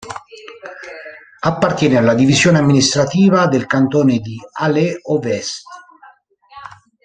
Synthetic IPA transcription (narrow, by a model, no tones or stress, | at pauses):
apːart̪jɛːnealːad̪ivizjoːneamːinist̪ɾat̪iːvad̪elkant̪oːned̪ialeɔvɛst̪